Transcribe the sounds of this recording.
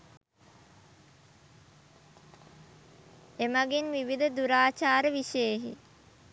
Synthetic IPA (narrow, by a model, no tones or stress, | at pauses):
emaɡinʋiʋid̪əd̪uɾaːt͡ʃaːɾəʋiʃəjeɦḭ